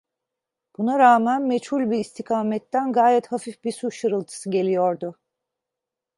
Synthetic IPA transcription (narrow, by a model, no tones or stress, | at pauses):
b̥unaɾaːmænmet͡ʃhulʲbiɾist̪ʰikʰaːmɛt̪ːænɡaːjɛt̪hafifbisuʃɯɾɯlˠt̪ʰɯ̥sɯɟe̞lʲijoɾd̪ʊ